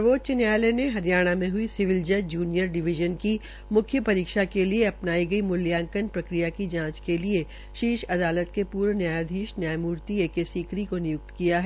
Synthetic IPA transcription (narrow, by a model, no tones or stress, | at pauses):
ʋoːd̪̚t͡ʃɪnjaːleneɦɐɾjaːɽ̃amẽɦʊisɪʋɪld͡ʒɐd͡ʒuːnijəɾɖɪʋɪʒənki | mʊkʰjəpɐɾiːkʃakelieɐpnaːiɡɐimʊljãːŋkənpɾɐkɾijakid͡ʒãːt͡ʃkelie | ʃiːʃɐd̪aːlət̪kepuːɾnjaːjd̪ʱiːʃnjaːjmuːɾt̪ieːkesiːkɾikonɪjʊk̚t̪kijaɦɛ